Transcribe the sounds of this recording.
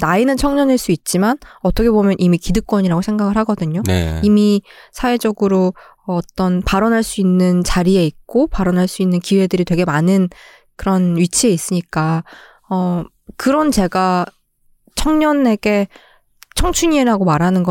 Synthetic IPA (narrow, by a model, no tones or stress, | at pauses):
nainɯnt͡ɕʰʌŋɲʌnɦeɭs͈uit̚t͡ɕ͈imanʌt͈ʰʌkʰebomjʌnʔimikidɯk̚k͈wʌɲiɾaɡosʰeŋɡaɡɯɭɦaɡʌdɯɲonḛimisʰawe̞d͡ʑʌɡɯɾoː | t͈ʌnpaɾʌnɦaɭs͈uinːɯnt͡ɕaɾie̞ik̚k͈opaɾʌnɦaɭs͈uinːɯnkiwe̞dɯɾitwe̞ɡe̞manɯn | kɯɾʌnɥit͡ɕʰie̞is͈ɯɲik͈a | ʌ | kɯɾʌnt͡ɕe̞ɡa | t͡ɕʰʌŋɲʌne̞ɡ̥e̞ | t͡ɕʰʌŋt͡ɕʰuɲieɾaɡomaɾɦanɯnɡʌ